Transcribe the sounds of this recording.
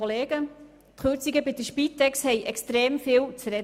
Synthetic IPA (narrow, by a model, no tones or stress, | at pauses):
oleːɡ̥ə | t̪χøːɾt͡siɡəbɪdəʃpit̪ːɛkshɛjʔɛkstɾeːmfɪːlt͡səɾɛ